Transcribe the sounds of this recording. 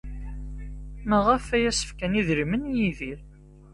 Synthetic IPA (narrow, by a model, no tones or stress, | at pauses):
mæʁæfæjæsə̥fkæniðɾmənjiðiɾ